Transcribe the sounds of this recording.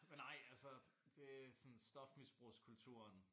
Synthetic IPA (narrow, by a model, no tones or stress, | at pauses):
menɑ̈ɪ̰ælsəd̥e̝æsɔ̽nsd̥ɒ̽fmisb̥ʁuskʰult͡sʰṵɐn